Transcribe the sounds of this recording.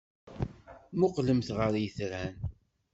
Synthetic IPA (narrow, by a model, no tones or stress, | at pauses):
mʊqləmθʁəɾjθɾæn